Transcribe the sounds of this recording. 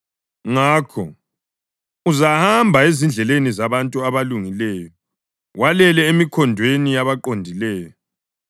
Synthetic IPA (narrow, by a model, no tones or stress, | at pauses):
ŋaːkʰɔ̰ | uzahambʱaezind͡ɮʱɛlenizaβantʼuaβaluŋilɛːjɔ | wʔalɛlɛemikʰɔndʱwenijaβaǃondʱilɛːjɔ